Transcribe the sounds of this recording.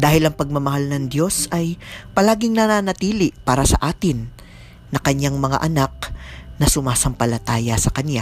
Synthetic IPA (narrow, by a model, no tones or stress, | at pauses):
d̪aːhɪlɐŋpɐɡ̚mɐmɐhalnɐŋd̪jo̞sɐjpɐlaːɡɪŋnɐnaːnɐt̪iːlɪʔpaːɾɐsɐ̰ʔaːt̪ɪnː | ɐkɐɲːaŋmɐŋa̰ʔɐnak̚nɐsʊmaːsɐmpɐlɐt̪aːjɐsɐkɐnja